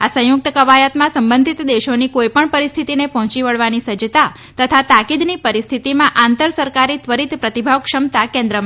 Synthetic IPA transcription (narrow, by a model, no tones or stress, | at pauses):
asə̃jʊk̚t̪əkəʋajat̪mãsəmbə̃nd̪ʱit̪d̪eʃonikojpəɳpəɾist̪ʰit̪inepɔɦɔ̃t͡ʃiʋəɭʋanisəd͡ʒət̪a | t̪ət̪ʰat̪akid̪nipəɾist̪ʰit̪imãʔãnt̪əɾsəɾkaɾit̪ʋəɾit̪pɾət̪ibʱaʋkʃəmt̪akɛ̃nd̪ɾəm